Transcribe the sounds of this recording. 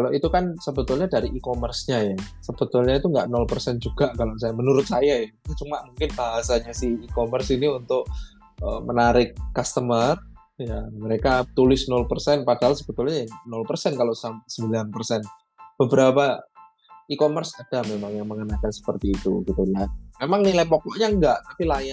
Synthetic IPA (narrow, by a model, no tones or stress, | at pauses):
kaloʔit̪ukansəbət̪ʊlɲadaɾiʔikomərsɲajasəb̥ət̪ʊlɲait̪uŋɡaʔnɔlpərsɛnd͡ʒuɡ̥aʔkaloʔsajamənuɾʊt̪̚sajaat̪ut͡ʃumaʔmuŋkɪnb̥aɦasaɲasɪhikomərsiniunt̪ʊk̚ | ə̰mənaɾɪkːast̪əmər | jaməɾekat̪ulɪsnɔlpərsɛnpad̥aɦalsəb̥ət̪ʊlɲanɔlpərsɛnkaloʔsamsəmbilanpərsɛn | b̥əbəɾapa | ikomərsad̥amemaŋjaŋməŋənakansə̥pərt̪iːt̪ṵɡ̥it̪ulamemaŋnilajpɔkɔʔɲaŋɡaʔt̪apilaja